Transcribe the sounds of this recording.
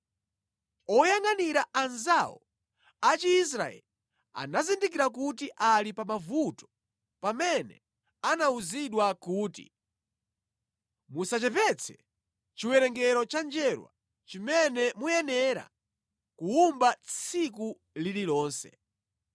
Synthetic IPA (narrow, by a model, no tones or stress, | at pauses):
ɔjaŋaniɾaʔanzawɔ | at͡ʃiːs̬ɾa̰ɛ̰li | a̰nazindik̬iɾak̬utiʔalipamavutɔ̥ | pamɛnɛ | anauziɗwakuːtḭ | musat͡ʃɛvɛt͡sʰɛ | t͡ʃiwɛɾɛŋɡɛɾɔt͡ʃand͡ʒɛɾwa̰ | t͡ʃimɛnɛmujɛnɛɾa̰ | kuumbat͡sʰiku | lililɔːnsɛ̰